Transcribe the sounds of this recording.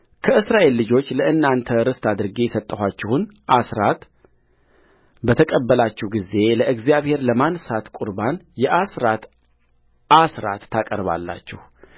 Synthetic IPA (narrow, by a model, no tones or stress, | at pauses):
kʰəʔɨsɾaʔe̞lːɨd͡ʒo̞t͡ʃːləɨnːant̪ʰəɾɨst̪ʰad̪ɨɾɡesət̪ʼːəhʷat͡ʃːɪhunʔasɾat̪ | bət̪ʰəkʼəbːəlat͡ʃːɛhɡize̞ləʔɨɡzjaβhe̞ɾləmansat̪kʷʼuɾbanjɛʔasɾat̪ | asɾa̰t̪ːakʼəɾβa̰lːa̰t͡ʃːɛh